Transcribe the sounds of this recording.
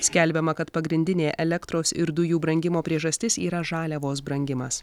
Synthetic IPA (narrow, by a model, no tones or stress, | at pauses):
sʲkʲɛlʲbʲɛmɐkɐt̪pɐɡɾʲɪnʲd̪ʲɪnʲeːʔɛlʲɛkt̪ɾoːsɪɾd̪ʊjuːbɾɐŋʲɡʲɪmoːpʲɾʲiɛʒɐsʲt̪ʲɪsiːɾɐʒɑːlʲɛʋoːs̬bɾɐŋʲɡʲɪmɐs